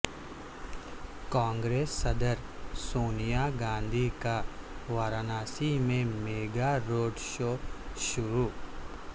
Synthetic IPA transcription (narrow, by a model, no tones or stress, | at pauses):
kãːŋɡɾeːsːɐd̪əɾ | soːnijaːɡãːnd̪ʱikaʋaːɾaːnaːsimẽmeːɡaɾoːɖʃoːʃʊɾuː